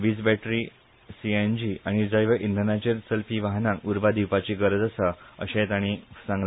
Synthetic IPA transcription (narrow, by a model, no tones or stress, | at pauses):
ʋiːd͡zbæʈɾi | siend͡ʑiaɽ̃id͡zajʋəʔind̪ʱənat͡ɕensəlpiʋaɦnãuɾbad̪iwpat͡ɕiɡəɾd͡z̪əsəə̰ɕẽt̪aɽ̃isãŋɡ